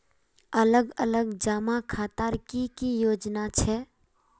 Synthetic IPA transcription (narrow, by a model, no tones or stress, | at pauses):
ɐləɡələɡd͡ʒaːmakʰaːt̪aːɾkikijoːd͡ʒnat͡ʃʰɛ